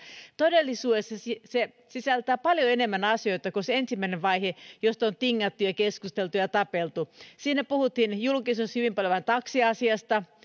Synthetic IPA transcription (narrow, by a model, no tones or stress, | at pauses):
t̪odelːisuːdesːɑsise | sisælt̪æːpɑljoenemːænɑsioit̪ɑkoseensimːæineʋʋɑihejost̪ont̪iŋːɑt̪ːujɑkeskust̪elt̪ujɑt̪ɑpelt̪usiːnːepuhut̪hinjulkisushyʋimpɑljoʋɑnt̪ɑksiɑsiɑst̪ɑ